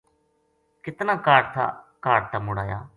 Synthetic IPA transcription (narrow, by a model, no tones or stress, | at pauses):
kɪt̪nãːkaːɖt̪ʰa̰ːkaːɖ̚t̪ʰaːmʊɽa̰ːja̰ː